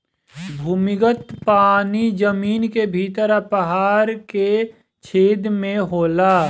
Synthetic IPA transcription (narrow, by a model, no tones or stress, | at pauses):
bʱuːmɪɡət̪paːnid͡ʒəmiːnkebʱiːt̪əɾapəɦaːɾke | t͡ʃʰeːd̪mẽɦoːlaː